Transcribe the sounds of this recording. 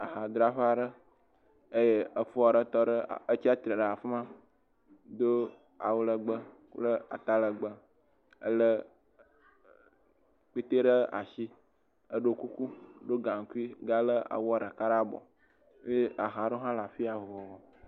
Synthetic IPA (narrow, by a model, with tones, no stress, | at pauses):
a˨ɦa˨d̪ɾa˦ɸa˨ɖə˦ | ə˦je˦ə˨fo˦a˨ɖə˦t̪ɔ˦ɖə˦˨ə˦t͡ʃi˦a˦t̪ɾə˨ɖə˨a˨fmã˦ | d̪o˦ | a˨wlə˨ɡ͡bə˦ | ku˦lə˦a̰˨t̪a˦lə˨ɡ͡bə˦ | ə̰˦lə˦ | k͡pi˦t̪e˦ɖə˦a̰˨ʃi˦ | ə˦ɖo˦ku˦ku˦ɖo˦ɡã˨ŋ˨ku˦i˦ɡa˦lə˦a̰˨wɔ˦˨ɖə˨ka˦ɾa˦bɔ̰˨˦ | e˦ʔa˨ɦa˨ɖo˦ɦã˦la˨fi˦a˨vɔ˨vɔ˨wɔ˨